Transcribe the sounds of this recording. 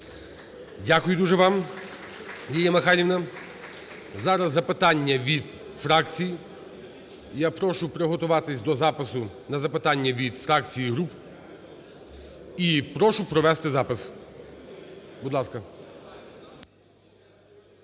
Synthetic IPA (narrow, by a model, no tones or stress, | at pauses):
dʲakʊjʊd̪uʒɛʋɑm | jijʲɐmɐxɑɾʲiʋnɐ | zɑɾɐzːɐpɪt̪ɑnʲːɐʋʲid̪ | fɾɑkt͡sʲiji | japɾɔʃʊpɾeɦɔt̪ʊʋɑt̪ɪsʲd̪ɔzɑpɪsʊnɐzɐpɪt̪ɑnʲːɐʋʲid̪fɾɑk̚t͡sʲijiɦɾup | ipɾɔʃʊpɾɔʋɛst̪ɪzɑpɪs | bud̪lˠɑskɐ